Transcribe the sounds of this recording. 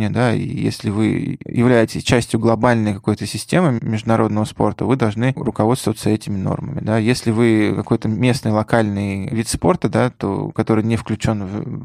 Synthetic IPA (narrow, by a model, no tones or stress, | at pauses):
nʲɪəd̪aḭjḛsʲlʲɪvɨjʔɪvlʲæjɪtʲɪsʲt͡ɕæsʲtʲjʊɡlˠɐbalʲnəjkɐko̞jt̪əsʲɪsʲtʲemɨmʲɪʐd̪ʊnɐɾʔo̞d̪nəvəspo̞̰rt̪əvɨd̪ɐlˠʐnɨrʊkɐvo̞t̪st̪vət̪səɛtʲɪmʲɪno̞̰rmə̰mʲɪd̪ajesʲlʲɪvɨkɐko̞jt̪əmʲe̞snɨjlˠɐkalʲnɨjvʲit̪spo̞rt̪əd̪at̪o̰kɐt̪o̞ɾɨjnʲɪfklʲʉt͡ɕo̞nv